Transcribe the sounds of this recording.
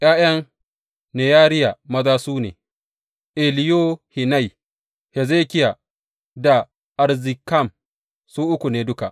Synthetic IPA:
ʔj̰aː˦j̰ɐ˦ŋ | neː˨jaː˦ɾɪ˦ja˨mɐ˦zaː˦suː˦nḛː˨ | ʔɛ˨lɪ˦jo˦hɪ˨na˦˨j | hɛ˨zeː˦kʲɪ˦ja˨ | da˨ | ʔa˨ɾzɪ˨ka˦˨m | suː˦ʔʊ˦kʷu˨neː˨dʊ˦ka˨ʔ

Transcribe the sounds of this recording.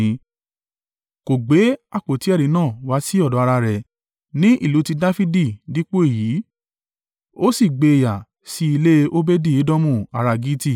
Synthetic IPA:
ko˨ɡ͡be˨˦a˦˨k͡po˨ti˨˦ɛ˦˨ɾĩ˨˦nãː˦˨wa˨˦si˦ɔ˦˨dɔ˨˦a˧ɾa˧ɾɛ˨ | nĩ˦ʔi˦˨lu˨˦ti˧da˦fi˦di˦˨di˨˦k͡po˦e˦˨jiː˨˦ | o˦si˦˨ɡ͡be˧˨ja˨ | si˦i˧le˦o˦be˦di˦˨i˨˦dɔ˦mũ˦˨a˨˧ɾa˧ɡi˦ti˦˨

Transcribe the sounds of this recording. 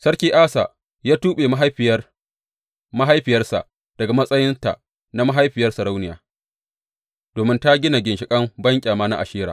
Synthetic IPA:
sɐ˦rkʲiː˦ʔaː˦sa̰˨ | jaː˦tuː˦ɓeː˨m˦ɦ | ma˦ɦa˦jɸɪ˨jɐ˦rsa̰˨ʔ | d̥ɐ˨ɡa˨mɐ˦sʼɐ˦jɪ˦nta̰˨ | na˦ma˦ɦa˦jɸɪ˨jɐ˦rsɐ˨ɾa˦wnɪ˨ja̰ː˨ | d̥oː˨mɪ˦nta˦ɡʲɪ˦na˨ɡʲɪ˨nʃɪ˨kʼɐ˦mbɐ˦ŋkʲʼaː˨maː˦na̰˦ʔa̰˨ʃiː˦ɾaː˨

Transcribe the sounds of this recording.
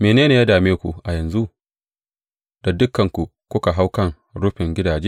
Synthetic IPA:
meː˨neː˦neː˨jaː˦daː˨meː˦kʷu˨ʔa˨jɐ˨nzu˦ | d̥a˨dʊ˦kːɐ˨ŋkʷu˨ | kʷʊ˦ka˨ɦa˦wkɐ˦ŋ | ɽʊ˦ɸɪ˨ŋɡʲɪ˦daː˨d͡ʒeː˦

